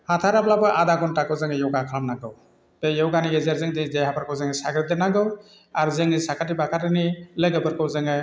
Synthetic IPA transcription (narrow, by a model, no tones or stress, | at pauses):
hat̪ʰaɾaplabɯʔad̪aɡɔntakɯwzɯŋɯjɔwɡakʰɾamnaɡɯw | pejɔwɡaniezeɾzɯŋd̪ezejhapaɾkʰɯwzɯŋesaɡɾɯd̪enaɡɯw | aɾzɯŋnisakatibakatɯnilɯɡɯpʰɯɾkɯwzɯŋɯ